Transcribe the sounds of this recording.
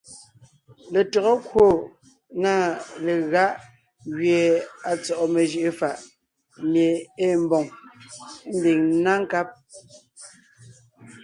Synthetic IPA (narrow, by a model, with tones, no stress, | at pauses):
le˨tɔ˨ɣɔ˦kwo˦˨ | na˦˨le˨ɣa˦ʔ | ɣɥje˨a˨t͡sɔ˨ʔɔ˨me˨ʒi˨ʔe˦fa˨ʔ | ne˨e˦˨m˦bɔ˨ŋ˦ | n̩˦di˨ŋ˦na˦ŋ˦ka˦p̚